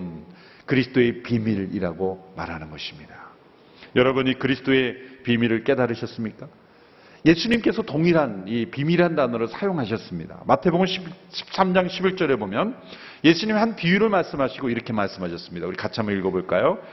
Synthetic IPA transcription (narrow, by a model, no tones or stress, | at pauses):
n | kɯɾisʰɯ̥t͈ʰoe̞pimiɾiɾaɡoma̰ɾɦanɯnɡʌɕʰimɲida | jʌɾʌbuɲikɯɾisʰɯ̥t͈ʰoe̞pimiɾɯɭk͈e̞daɾɯɕʰʌs͈ɯmɲik͈a | je̞sʰuɲimk͈e̞sʰʌtoŋiɾɦanipimiɾɦandanʌɾoɭsʰajoŋɦaɕ̬ʰʌs͈ɯmɲḭda̰matʰeboɡɯmɕʰibɕʰi̥p̚s͈amd͡ʑaŋɕʰibiɭt͡ɕ͈ʌɾe̞bomjʌn | je̞sʰuɲimihanpiiɾɯɭmaɭs͈ɯmɦaɕʰiɡoiɾʌkʰe̞maɭs͈ɯmɦaɕʰʌs͈ɯmɲidauɾikat͡ɕʰamɯiɭɡʌboɭk͈ajo